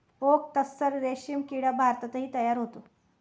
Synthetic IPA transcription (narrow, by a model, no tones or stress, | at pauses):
ok̚t̪əsːəɾɾeɕijəmkiɽabʱaɾt̪ət̪əɦiːt̪əjaɾɦot̪o